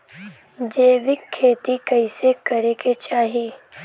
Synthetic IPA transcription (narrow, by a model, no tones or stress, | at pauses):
d͡ʒeːʋɪkʰːeːt̪ikɐisekɐɾeket͡ʃaːɦi